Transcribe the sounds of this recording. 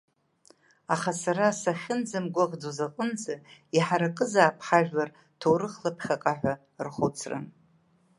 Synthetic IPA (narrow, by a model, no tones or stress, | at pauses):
aχasaɾasaχʲɪnd͡zɨmɡʷaʁd͡zozaqʼənd͡zaiħaɾaqʼɨzaːpʰħaʒᶣar | tʰowɾɨχlapʰχʲaqʼaħʷᶣa | rχot͡sʰrɨ̰n